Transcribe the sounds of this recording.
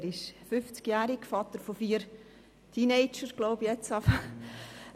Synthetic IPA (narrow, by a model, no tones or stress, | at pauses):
ɾɪʃfʏft͡skjæːɾɪɡfɑt̪əɾfofiːəɾ | tʰineɪt͡ʃəɾɡ̥loʊbjɛt͡sɑfə